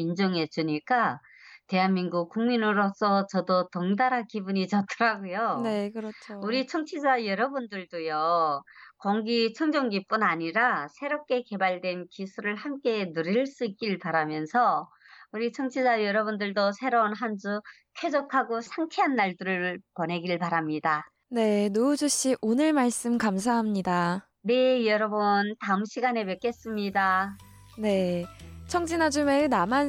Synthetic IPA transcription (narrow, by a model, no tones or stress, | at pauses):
ind͡ʑʌŋe̞d͡ʑuɲik͈a | te̞ɦanminɡuk̚k͈uŋminɯɾos͈ʌt͡ɕʌdotʌŋdaɾakibuɲit͡ɕʌtʰɯɾaɡojonekɾʌt͡ɕʰouɾit͡ɕʰʌŋt͡ɕʰid͡ʑajʌɾʌbundɯɭdojʌ | kʌŋɡit͡ɕʰʌŋd͡ʑʌŋɡip͈unaɲiɾasʰe̞ɾop̚k͈e̞ke̞baɭdwe̞nkisʰuɾɯɭhamk͈e̞nɯɾiɭs͈uik͈iɭpaɾamjʌnsʰʌ | uɾit͡ɕʰʌŋt͡ɕʰid͡ʑajʌɾʌbundɯɭdosʰe̞ɾonɦand͡ʑu | kʰe̞d͡ʑokʰaɡosʰaŋt͡ɕʰeɦanːaɭdɯɾɯɭpʌne̞ɡiɭpaɾamɲida | ne̞nod͡ʑoɕ͈iʔonɯɭmaɭs͈ɯmkams̬ʰaɦamɲida | ne̞jʌɾʌbʌntaɯmɕʰiɡane̞mek͈e̞s͈ɯmɲida | ne̞t͡ɕʰʌŋd͡ʑinad͡ʑumenaman